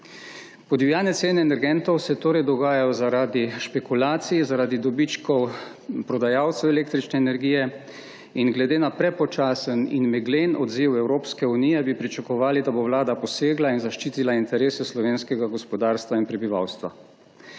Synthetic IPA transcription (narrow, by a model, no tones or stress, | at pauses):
pɔdijaːnɛt̪seːnɛːnɛɾɡɛnt̪ɔwsɛt̪oːɾɛjd̪ɔɡaːjajɔzaɾaːd̪iʃpɛkulaːt̪sijizaɾaːd̪id̪ɔbit͡ʃkɔw | pɾɔd̪ajaːwt̪sɛwɛleːkt̪ɾit͡ʃnɛːnɛɾɡiːjɛ | inɡlɛd̪eːnapɾɛpɔt͡ʃaːsənḭnmɛɡleːnɔd̪ziwɛwɾoːpskɛunijɛbipɾit͡ʃakɔʋaːlid̪abowlaːd̪apɔseːɡlainzaʃt͡ʃiːt̪ilaint̪ɛɾeːsɛslɔʋeːnskɛɡaɡɔspɔd̪aːɾst̪ʋainpɾɛbiʋa̰wst̪ʋa̰